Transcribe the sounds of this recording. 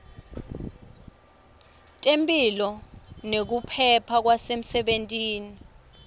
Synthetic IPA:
tʼempʼilɔnek̬upʰɛpʰak̬wasem̩sɛɓentʼiːni

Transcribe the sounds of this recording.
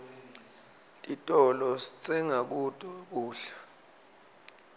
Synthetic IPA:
tʼitʼɔlɔsi̥t͡sʰʼɛŋak̬utʼuk̬uːɬḁ

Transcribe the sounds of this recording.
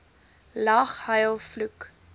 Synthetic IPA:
lɐχhɐjlˠfluk

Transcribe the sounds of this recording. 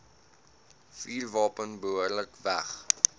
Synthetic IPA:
fiːrvɑːpənbəɦuərləkvæχ

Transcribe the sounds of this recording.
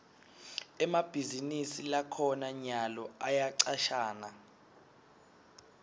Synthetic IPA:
ɛmab̥ʱizinisilakʰɔnaɲalɔajaǀaʃaːna

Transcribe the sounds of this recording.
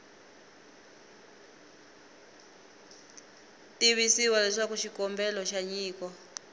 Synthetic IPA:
tiβisiwalɛʂakuʃikɔmbɛlɔʃaɲiːkɔ

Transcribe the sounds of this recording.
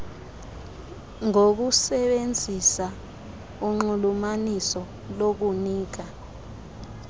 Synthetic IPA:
ŋok̬usɛɓend͡zʱisa | uŋ͡ǃulumanisɔ | lok̬uniːk̬a

